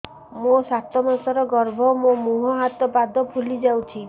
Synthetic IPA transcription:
mosat̪ɔmɔsɔɾɔɡɔɾbʱɔmomuɦɔɦat̪ɔpad̪ʱɔpʰulid͡ʒawt͡ʃʰi

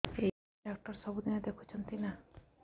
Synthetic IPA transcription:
e | ak̚ʈɔɾsɔbʱud̪inad̪ekʰut͡ʃʰʌnt̪ina

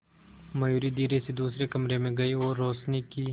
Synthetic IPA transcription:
mɐjuːɾid̪iːɾesed̪uːsɾekɐmɾemẽɡɐioːɾːoːʃnikiː

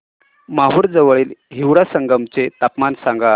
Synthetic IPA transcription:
maɦuɾd͡zəʋɭiːlɦiʋɽasəŋɡəmt͡set̪apmansãŋɡa

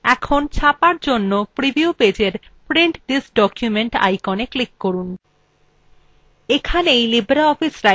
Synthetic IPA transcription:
ɛkʰont͡ɕʰapaɾd͡ʑonːopɾibiuped͡ʑeɾpɾeɳʈd̪isɖɔkjumeɳʈa̰jkoneklikːoɾun | ekʰanejlibɾaɔfisɾa

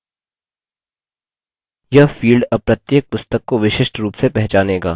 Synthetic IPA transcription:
jɐɦfiːlɖəpɾɐt̪jeːk̚pʊst̪əkːoʋɪʃɪʃʈɾuːpsepɛɦt͡ʃaːneːɡa̰ː

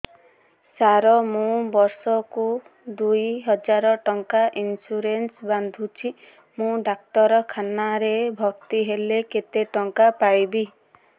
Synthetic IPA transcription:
saɾɔmũbɔɾsɔku | d̪ujɦɔd͡ʒaɾɔʈɔŋkaʔinsuɾensband̪ʱut͡ʃʰi | mũɖak̚ʈɔɾɔkʰanaɾebʱɔk̚t̪iɦeleket̪eʈɔŋkapajbi

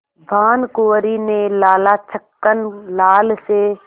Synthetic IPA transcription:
bʱaːnkoːɾinẽlaːlat͡ʃʰəkːənlaːlse

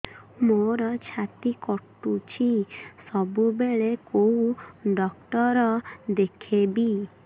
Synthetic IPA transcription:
moɾɔt͡ʃʰat̪ikɔʈut͡ʃʰisɔbubeɭekowuɖɔk̚ʈɔɾɔd̪ekʰebi

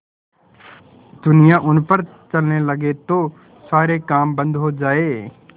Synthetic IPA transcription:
d̪ʊnɪjãːʔʊnpəɾ | t͡ʃəlneləɡet̪oː | saːɾekaːmbə̃nd̪ɦoːd͡ʒaːeː

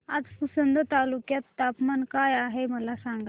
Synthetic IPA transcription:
ad͡zpusənd̪ʱət̪alukjat̪ːapmankajaɦeməlasaŋɡa

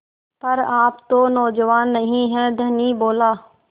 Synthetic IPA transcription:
pəɾaːpt̪oːnɔːd͡ʒəʋaːnːəɦĩːɦɛːd̪ʱəniːboːlaː

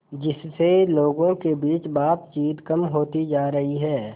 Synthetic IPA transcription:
d͡ʒɪsːeloːɡõkebiːt͡ʃbaːt̪t͡ʃiːt̪kɐmɦoːt̪id͡ʒaːɾɐɦiɦɛː

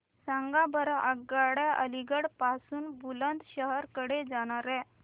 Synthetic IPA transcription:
sãŋɡabəɾaʔəɡːaɽjaʔəliɡəɽpasuːnbulənt̪ɕəɦəɾkəɽed͡zaɽ̃aɾɛ̃

